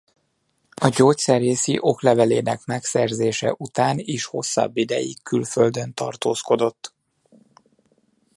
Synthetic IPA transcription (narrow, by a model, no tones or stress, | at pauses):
ɒɟoːt̪sɛreːsiʔo̞klɛvɛleːnɛkmɛksɛrzeːʃɛ̰ʔut̪aːniʃho̞̰sːɒ̰bːid̪ɛjḭkʰːylføld̪ø̞nt̪ɒ̰rt̪oːsko̞d̪o̞t̪ː